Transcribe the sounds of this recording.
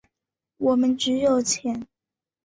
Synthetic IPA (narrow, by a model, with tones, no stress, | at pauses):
wɔ˨˩mə˨˦nʈ͡ʂɻ̩˧˥jo˨˩ʊt͡ɕʰjɛ˧˥n